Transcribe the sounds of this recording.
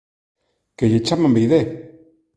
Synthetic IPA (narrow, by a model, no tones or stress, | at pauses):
kejet͡ʃamambejðe